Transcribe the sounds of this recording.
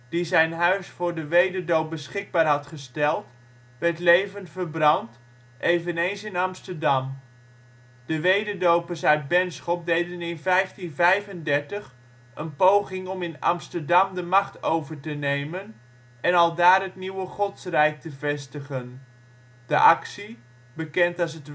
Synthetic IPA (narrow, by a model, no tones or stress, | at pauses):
d̥izɛjnɦœɥsfʊːɹdəʋejdəɹdowp̚bəsχɪɡ̚baːɹɦɑtχəstɛlˠt | ʋɛɹtlejvəntfəɹbrɑnt | ʔejvənejnsɪnɑmstəɹdɑm | d̥əʋejdəɹdowpəɹsœɥt̚bɛnsχɔp̚dejdənɪnvɛjftinvɛjvəndɛɹtəχ | ʔənpowχɪŋɔmɪnɑ̰mstəɹdɑmdəmɑχtowvəɹtənejmən | ʔɛnɑlˠdaːrɦətniwəχɔtsrɛjk̚təvɛstəχən | d̥əʔɑksi | bəkɛntɑs̬ət